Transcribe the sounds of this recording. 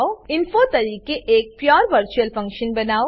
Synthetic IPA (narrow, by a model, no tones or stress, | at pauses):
oɪnfot̪ɐɾiːkeʔeːk̚pjɔːɾʋəɾt͡ʃuəlfɐ̃ŋkʃənbɐnaːo